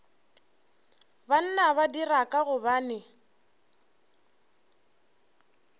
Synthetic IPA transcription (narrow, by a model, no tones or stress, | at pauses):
ban̩naβadirakʼaɣʊbanɪ